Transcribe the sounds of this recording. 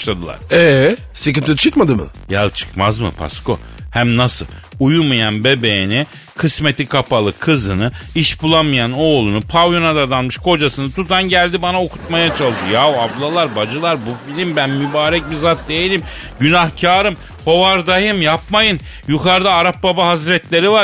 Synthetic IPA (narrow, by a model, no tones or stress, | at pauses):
ʃlˠad̪ɯlˠa̰ɾ̥ɛ | sɨkɯnt̪ʰit͡ʃʰɯkmad̪ɯmɯ̰jat͡ʃʰɯ̥kmazmɯ̰pʰa̰sko̞̰ | hæmnasɯ̰lˠ | ujumajanbe̞be̞jni | kʰɯsme̞t̪ʰikʰapalˠɯkʰɯzɯnɯiʃbulˠanmɯjano̞ːlˠunupʰawjonad̪ad̪anmɯʃkʰo̞d͡ʒasɯnɯt̪ʰut̪ʰanɟælʲd̪ibanaokʰu̥t̪majat͡ʃʰalˠɯʃojauablˠalˠaɾbad͡ʒɯlˠaɾbufilʲimbænmybaːɾɛc̚bizat̪̚d̪ejilʲim | ɟynahcʰaːɾɯm | ho̞vaɾd̪ajɯmjap̚majɯn | jukʰaɾd̪aːɾap̚babaɦazɾɛt̪lʲe̞ɾiva